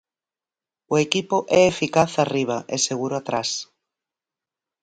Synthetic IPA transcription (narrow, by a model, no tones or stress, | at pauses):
oekipoʊʔɛefikaθariβ̞aʔeseɣ̞uɾoat̪ɾas